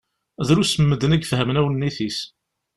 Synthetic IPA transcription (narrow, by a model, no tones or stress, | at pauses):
ðɾusəmːəd̪ənæɡfɦəmnæwənːiθis